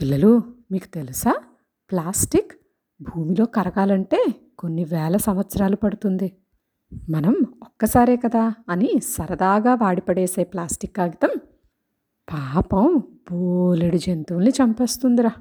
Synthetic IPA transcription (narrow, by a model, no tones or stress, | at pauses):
pilːɐlumiːku̥t̪e̞lusaː | plaːsʈik | bʱuːmilo̞ːkɐɾɐɡaːlɐɳʈeː | ko̞nːiʋɛːlɐsɐmʋɐt̪sɐɾaːlupɐɽut̪und̪i | mɐnɐmɔkːɐsaːɾeːkɐd̪aːɐnisɐɾɐd̪aːɡaːʋaːɽipɐɽeːse̞ːplaːsʈikːaːɡit̪ɐm | paːpɐmb̥oleɽid͡ʒent̪uʋunːit͡ʃɐmpe̞ːst̪und̪iɾaː